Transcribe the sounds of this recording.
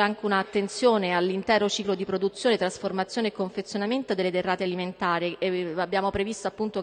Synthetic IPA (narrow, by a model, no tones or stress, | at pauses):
aŋk̟eunaːt̪ːent̪sjoːnealːint̪ɛːɾot͡ʃiːklod̪ipɾod̪ut̪sjoːnet̪ɾasformat̪sːjoːneekːoɱfet̪sːjonament̪od̪elːed̪erːaːt̪ealiment̪aːɾiabːjaːmopɾevist̪oapːunt̪o